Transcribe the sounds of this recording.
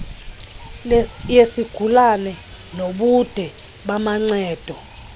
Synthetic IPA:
jesiɡ̥ʱulanɛ | noɓud̥ʱɛ | ɓamaŋ͡ǀɛːd̥ʱɔ

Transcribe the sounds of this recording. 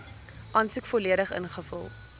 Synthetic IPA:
ʔɑːnsukfɔliəɾəχə̰nχəfɔ̰lˠ

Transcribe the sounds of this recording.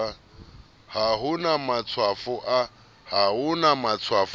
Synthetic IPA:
haɦʊnamat͡sʰwafʊʔa | haɦʊnamat͡sʰwaf

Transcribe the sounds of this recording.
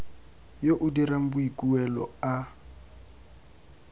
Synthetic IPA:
joʔʊdiram̩buikʼuɛlɔ̰a

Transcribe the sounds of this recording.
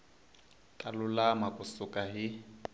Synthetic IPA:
tʼalʊlamakʼusʊkʼaɦi

